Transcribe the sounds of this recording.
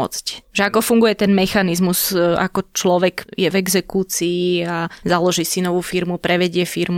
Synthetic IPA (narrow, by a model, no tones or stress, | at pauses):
ɔ̰t͡scʒɛakɔfuŋɡujɛt̪ɛnmɛxanizmuz̥a̰kɔt͡ʃlɔʋɛɡjɛvɛɡzɛkuːt͡siːazalɔʒiːsinɔʋuːfiɾmupɾɛʋɛɟɪɛfiɾmu